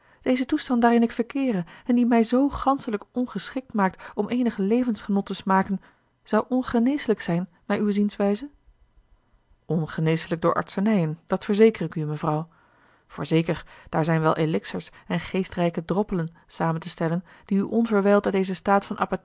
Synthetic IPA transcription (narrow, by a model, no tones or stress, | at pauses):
d̥ejzətustɑntdaːrɪnɪkfəɹkɪːrəɛndimɛjzowχɑnsələkɔnχəsχɪk̚tmaːk̚tɔmʔejnəχəlejvənsχənɔtəsmaːkən | z̥ɑwʔɔnχənejsələksɛjnːaːɹywzinsʋɛjzə | ɔnχənejsələɡ̚dʊːɹʔɑ̰ɹtsənɛjənd̥ɑtfəɹzejkərɪkyməvrɑw | v̥ʊ̰ːɹzeːkəɹd̥aːɹzɛjnʋɛlˠʔelɪksəɹsɛnχejstrɛjkədrɔpələn | saːməntəstɛlən | d̥iyʔɔnvəɹʋɛjlˠtdɑdejzəstaːtfɑnʔa̰ːpa